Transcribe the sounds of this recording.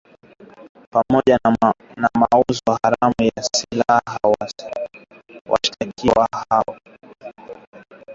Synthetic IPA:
pamɔʄanamauzɔhaɾamujasilahaw | wʔa̰ʃi̥takiwahawa

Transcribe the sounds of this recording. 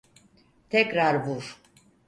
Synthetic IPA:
t̪ʰɛkɾaɾbuɾ̥

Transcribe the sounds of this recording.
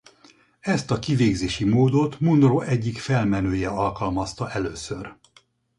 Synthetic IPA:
ɛst̪ɒkiveːɡzeːʃimoːd̪o̞t̪munroʔɛɟːikfɛlmɛnøːjɛɒlkɒlmɒst̪ɒʔɛløːsør

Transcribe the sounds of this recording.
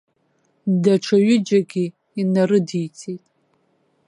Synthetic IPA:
daʈ͡ʂʷʰaɥɪd͡ʒaɡʲi | inaɾɨdijt͡sʼʰetʼ

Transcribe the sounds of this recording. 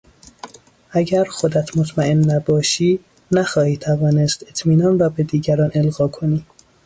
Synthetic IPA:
ʔæɟæɾxod̪æt̪ʰmot̪ʰmæenːæbɒːʃiː | næxɒːhiːt̪ʰævɒːnest̪e̞t̪ʰmiːnɒːnrɒːbed̪iːɟæɾɒːne̞lɣɒːkʰoniː

